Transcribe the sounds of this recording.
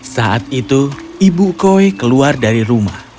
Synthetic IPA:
saʔat̪̚it̪uibukoekəluardaɾiɾumah

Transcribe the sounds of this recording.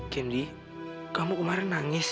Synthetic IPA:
kɛndi | kamukumaɾanːaŋɪs

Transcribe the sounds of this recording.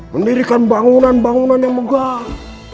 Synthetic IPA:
məndiɾikanbaŋunanbaŋunanjaŋməɡa

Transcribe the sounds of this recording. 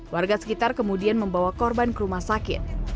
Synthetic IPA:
warɡasə̥kit̪arkəmudianməmbawakɔrbankəɾumahsakɪ̰t̪̚

